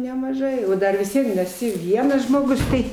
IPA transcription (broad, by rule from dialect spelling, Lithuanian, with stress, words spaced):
nʲɛmɐˈʒɐɪ oː ˈdɐr ʋʲɪs ˈʋʲiɛn ɪr ɛˈsʲɪ ˈʋʲiɛnɐs ʒmoːˈɡʊs ˈtɐɪ